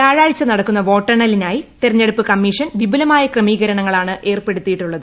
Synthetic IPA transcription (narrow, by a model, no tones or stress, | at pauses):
taːɻaːɻt͡ɕːɐnɐɽɐkːunːɐʋo̞ːʈːɐɳɐlinaːjit̪eɾɐɲːe̞ɽupːɨkɐmːiːʂɐnʋibulɐmaːjɐkrɐmiːɣɐɾɐɳɐŋːɐɭaːɳɨʔe̞ːrpe̞ɽut̪ːijiʈːuɭːɐðɨ